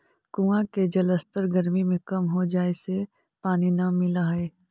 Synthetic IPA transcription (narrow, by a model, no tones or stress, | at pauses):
kuãked͡ʒɐləst̪əɾɡɐɾmimẽkɐmɦod͡ʒaːese | paːninɐmɪlaɦɛː